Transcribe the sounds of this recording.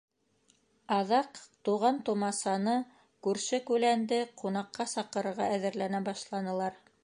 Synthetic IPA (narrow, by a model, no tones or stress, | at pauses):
ɑðɑqt̪uʁɑnt̪ŭmɑsɑnɤ | kʉɾʃɘkʉlænd̪ɘqunɑqːɑsɑqɤ̆ɾɤ̆ɾʁɑæðɘ̆ɾlænæbɑʃlˠɑnɤ̆lˠɑɾ